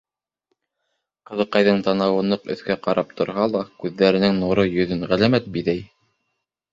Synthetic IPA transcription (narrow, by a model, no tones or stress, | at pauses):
qɤ̆ðɤ̆qːɑjðɤɴt̪ɑnɑwɤ̆nːɤqɵ̰̆θkæqɑɾɑp̚t̪ʰŏɾɦɑlˠɑkʉðːæɾɘ̆nɘŋnuɾɤjɵ̆ðɵnʁælæmæt̪̚biðæj